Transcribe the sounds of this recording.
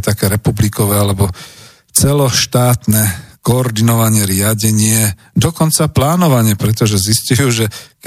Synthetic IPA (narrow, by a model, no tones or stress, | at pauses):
t̪akɛːɾɛpublikɔʋɛːalɛbɔ | t͡sɛlɔʃt̪aːt̪nɛkɔːɾd̪inɔʋaɲɪɛɾɪaɟɛɲɪɛ | d̪ɔkɔnt͡saplaːnɔʋaɲɪɛpɾɛt̪ɔʒɛziscujuːʒɛ